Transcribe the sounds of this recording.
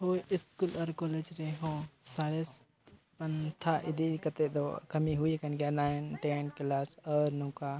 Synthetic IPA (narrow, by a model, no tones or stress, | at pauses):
ɦoːɪskulɔːɾkɔːled͡ʒɾeɦõsaɽes | pɐnt̪ʰaʔɪd̪ikət̪ed̪o̰kɐmiɦʊikənɡjanaːɪnʈenklasɔːɾnũka